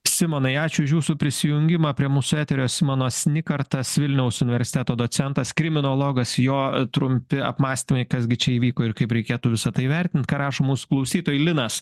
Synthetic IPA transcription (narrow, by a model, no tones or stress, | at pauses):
sʲɪmoːnɐɪɑːt͡ʃʲʊɪʃjuːsʊpʲɾʲɪsʲɪjʊŋʲɡʲɪmɐːpʲɾʲiɛmuːsʊæːt̪ʲɛɾʲoːsʲɪmoːnoːsʲnʲɪkɐɾt̪ɐsʋʲɪlʲnʲɛʊsʊnʲɪʋʲɛɾʲsʲɪ̥t̪ʲæːt̪oːd̪oːt͡ssʲɛnt̪ɐskɾʲɪmʲɪnolˠoːɡɐsjoːt̪ɾʊmʲpʲɪɐ̰pmɑːsʲt̪ʲɪmɐɪkɐsɡʲɪt͡ʃʲɛiːʋʲiːkoːɪɾkɐɪpɾʲɛɪkʲeːt̪uːʋʲɪsɐt̪ɐɪʋʲɛɾʲt̪ʲɪnt̪kɑːɾɑːʃoːmuːsʊ̥klˠɐʊsʲiːt̪oːjɪlʲɪnɐs